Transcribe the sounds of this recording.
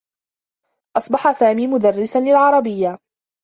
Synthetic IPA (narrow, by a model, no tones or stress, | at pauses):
ʔɑsˤbɑħasaːmiːmʊd̪arːɪsanlɪlʕɑɾˤɑbɪjːa